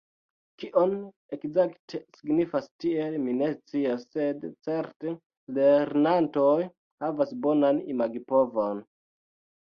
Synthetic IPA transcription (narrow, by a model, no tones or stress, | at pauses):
kiʔo̞n | ekzaktʰesiɡnifastie̞lmine̞st͡siasːe̞dt͡se̞ɾte | leɾnanto̞j | havasbo̞nanimaɡipo̞vo̞n